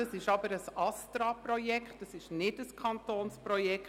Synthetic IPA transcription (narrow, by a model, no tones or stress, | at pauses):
ɑsɪʃɑbəɾəsɑstɾɑpɾɔjɛkχtːɑsɪʃnɪdəskʰɑntoːnspɾɔjɛk